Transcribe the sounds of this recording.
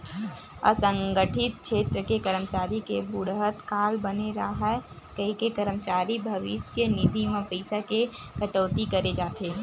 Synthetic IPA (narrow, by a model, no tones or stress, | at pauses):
ə̰sə̃ŋɡəʈʰɪt̪̚kʃʰeːt̪ɾəkekəɾəmət͡ʃaːɾikebʊɽɦət̪kaːlbəneɾaaɦɛ | kəɦikekəɾəmt͡ʃaːɾibʱɐʋɪsjənid̪ʱimẽpəɪsake | kəʈoːt̪ikɐɾed͡ʒaːt̪eː